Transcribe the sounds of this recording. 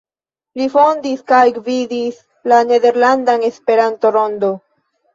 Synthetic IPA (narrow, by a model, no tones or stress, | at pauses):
lifond̪iskajɡvid̪is | laneðe̞ɾland̪anespe̞ɾant̪oɾond̪o